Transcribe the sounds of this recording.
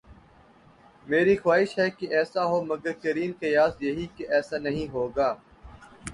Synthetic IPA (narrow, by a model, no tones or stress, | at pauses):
meːɾixwaːɦɪʃɦɛkeʔɛːsaɦoːmɐɡəɾkɐɾiːnkɐjaːsjɐɦikeʔɛːsaːnɐɦĩɦoːɡaː